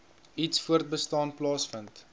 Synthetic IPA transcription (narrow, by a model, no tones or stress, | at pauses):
itsfuərt̚bəstɑːnplɑːsfənt